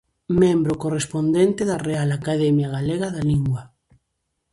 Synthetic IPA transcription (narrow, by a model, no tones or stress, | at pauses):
mẽmbɾokorespond̪ent̪eðarealakaðemjaɣ̞aleɣaðaliŋɡwa